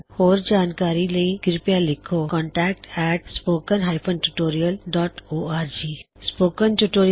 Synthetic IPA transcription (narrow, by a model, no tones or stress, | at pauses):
hoːɾd͡ʒaːnkaːɾiləĩɡɪɾpjalɪkʰokɔ̃ɳʈɛːk̚ʈɛːʈspoːkənɦaːjpʰənʈuʈoːɾijəlɖɔːʈoːaːɾd͡ʒiː | spoːkənʈuʈoːɾ